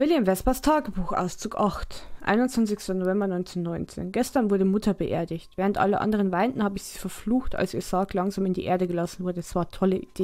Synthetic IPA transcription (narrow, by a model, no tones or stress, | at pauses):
vɪljɛmvɛspɐstʰaːɡəbuːxʔa̰ʊst͡suːkʔaχtʔa̰ɪnʊnt͡sv̥ant͡sɪçstɐnovɛmbɐnɔʏnt͡senːɔʏnt͡sḛːnɡɛstɐnvʊɐɾəmʊtʰɐbəʔḛːɐdɪçtv̥ɛːʁ̞əntʔa̰ləʔa̰ndəʁ̞ənvaɪntn̩haːbəɪçz̥iːfɛɐfluːxta̰lsiːɐz̥aːklaŋzaːmɪndḭːʔḛːɐdəɡəlasn̩vʊɐdəɛsv̥aːɐtʰɔləʔḭd̥eː